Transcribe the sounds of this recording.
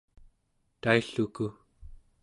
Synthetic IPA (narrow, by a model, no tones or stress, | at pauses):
t̪aiɬuku